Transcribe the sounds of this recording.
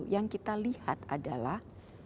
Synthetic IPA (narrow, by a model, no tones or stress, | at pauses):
jaŋkit̪aliha̰t̪adalah